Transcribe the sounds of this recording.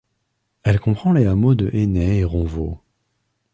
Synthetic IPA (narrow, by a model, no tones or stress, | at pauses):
ɛlkɔ̃pχɑ̃leamod̪əʔenɛeʁɔ̃vo